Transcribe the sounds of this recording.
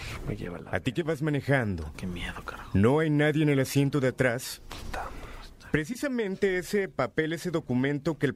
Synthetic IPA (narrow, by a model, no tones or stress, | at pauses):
ejḛβa̰a̰t̪ike̞βazmãne̞xand̪o̞̰kemjeðokano̞ajnaðje̞ːne̞lasje̞nt̪o̞ðeat̪ɾast̪a | pɾe̞s̬isamẽ̞nt̪e̞ese̞pape̞leseðo̞kumẽ̞nt̪o̞kel